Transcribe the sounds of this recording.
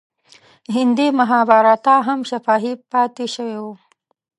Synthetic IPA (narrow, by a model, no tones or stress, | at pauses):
ɦɪnd̪imaɦɑbɑɾɑt̪ɑɦamʃafɑɦipɑt̪eʃəwewu